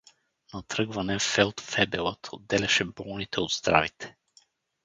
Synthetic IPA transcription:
nɐt̪ɾɤɡvɐnɛfɛlˠt̪fɛbɛlˠət̪ʰod̪ːɛlʲɛʃɛbɔlˠnit̪ɛod̪z̥d̪ɾa̰vit̪ʰɛ̥

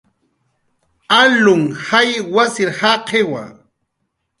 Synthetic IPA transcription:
alʊŋhajwasɪɾhaqʰewa̰

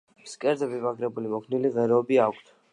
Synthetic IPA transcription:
skʼɛɾzɛbivakʰɾɛbulimɔkʰniliʁɛɾɛɔbiakʰt̪ʰ

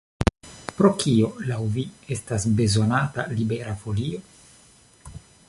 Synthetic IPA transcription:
pɾo̞kio̞lawvie̞stasbe̞zo̞natalibe̞ɾafolio

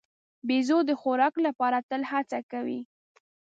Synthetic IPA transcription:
bezod̪əxoɾɑklapɑɾat̪əlhat͡sakawḭ

